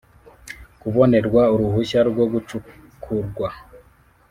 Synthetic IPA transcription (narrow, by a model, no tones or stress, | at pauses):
kuβo̞ne̞ɾɡwauɾuhuɕaɾɡwo̞ɡut͡ʃu | kʰuɾɡwa